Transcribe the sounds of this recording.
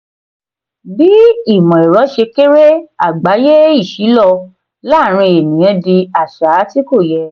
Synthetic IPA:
bi˦i˦˨mɔ̃˨e˨ɾɔ˨˦ʃe˧ke˦ɾe˦a˦˨ɡ͡ba˨˦je˦i˦˨ʃi˨˦lɔ˧ | la˦˨ɾ̃ĩ˧e˨nĩ˨j̃ɛ̃˨˧˦di˧a˨ʃa˨˦ti˦ko˦˨jɛ˧

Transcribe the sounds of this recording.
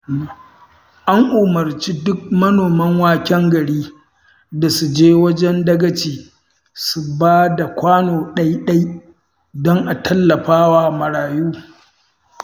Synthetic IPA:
ʔa˦ŋʔʊ˨mɐ˨rt͡ʃiː˦dʊ˦k̚mɐ˦noː˨mɐ˦ŋwaː˦kʲɛ˦ŋɡɐ˨ɽiː˦ | da˨su˨d͡ʒeː˦wɐ˦d͡ʒɛ˦ndɐ˦ɡɐ˦t͡ʃiː˨ | su˨baː˦da˨kʷaː˦noː˨ɗɐ˦jɗɐ˦j | dɔ˦ŋʔa˨tʰɐ˦lːɐ˨ɸaː˦waː˦˨mɐ˨ɽaː˨juː˦

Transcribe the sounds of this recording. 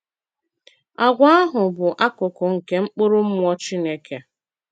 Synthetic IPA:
a˨ɡʷa˦a˦ɦʊ˨bʊ˨ʔa˦kʊ˨kʊ˨ŋ̩˨ke˦ŋ͡m̩˦k͡pʊ˦ɾʊ˦m̩˦mʷ˦ɔ˦t͡ʃi˦ne˦ke˨

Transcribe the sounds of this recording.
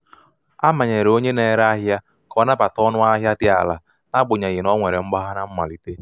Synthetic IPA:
a˦ma˨ɲe˨ɾo˦ɲe˦ne˨ɾa˦ɦja˦ | kɔ˦na˦ba˨tɔ˦nʊ˦a˦ɦja˦dɪ˦a̰˨la̰˨ | na˦ɡ͡bʊ˨ɲa˨ɣɪ˨nɔ˦ŋʷe˨ɾe˨ŋ͡m̩˦ɡ͡ba˦ɦa˦na˦m̩˦ma̰˨li˦te˦

